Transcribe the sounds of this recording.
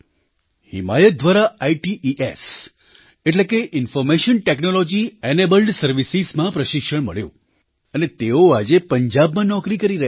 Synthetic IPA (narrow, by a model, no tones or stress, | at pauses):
hɪ̰majət̪̚d̪ʋaɾaaiʈiʔiʔes | eʈlekeʔɪnfɔɾmeʃənʈeknolod͡ʒienebəlɖsəɾʋisizmãpɾəʃɪkʃəɳmə̰ɭjõ̰ | ənet̪eoad͡ʒepəɲd͡ʒabmãnɔkɾikəɾiɾəɦ